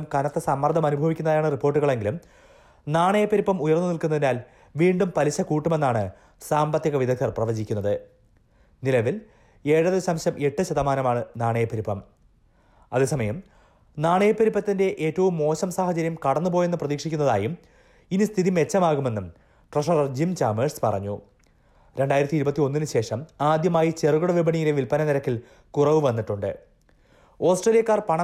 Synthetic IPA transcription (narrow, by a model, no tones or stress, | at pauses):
mkɐnɐt̪ːesɐmːɐrd̪ʱɐmɐnubʱɐʋikʲːunːɐðjaːɳɨripːo̞ːrʈːuɣɐɭe̞ŋɡilum | naːɳɐjɐpːɐɾipːɐmujɐrnːɨnilkunːɐðinaːl | ʋiːɳɖumpɐliɕɐkuːʈːume̞nːaːɳɨ | saːmbɐt̪jɐɣɐʋid̪ʱɐk̪̚ʰːɐrprɐʋɐd͡ʑikʲːunːɐðɨ | nilɐʋil | e̞ːɻɐðɐɕɐmɕɐmʔe̞ʈːɨɕɐðɐmaːnɐmaːɳɨnaːɳɐjɐpːɐɾipːɐm | ɐ̰ðesɐmɐjɐm | naːɳɐjɐpːɐɾipːɐt̪ːinde̞ʔeːtːɐʋumːo̞ːɕɐmsaːhɐt͡ɕɐɾjɐmkɐɽɐnːupo̞ːjenːɨprɐðiːkʂikʲːunːɐða̰ːjum | inist̪ʰiðime̞t͡ɕːɐmaːɣume̞nːum | ʈrɐʂɐrɐrd͡ʑimt͡ɕaːmeːspɐ̰rɐ̰ɲːṵ | ɾe̞ɳɖaːjiɾɐt̪ːiɾubɐt̪ːio̞nːinɨɕe̞ːʂɐmaːd̪jɐmaːjit͡ɕeruɣuɽɐʋibɐɳijileʋilpɐnɐniɾɐkːil | kurɐʋɨʋɐnːiʈːuɳɖɨ̰ | o̞ːsʈrelijɐkːaːrpɐɳɐ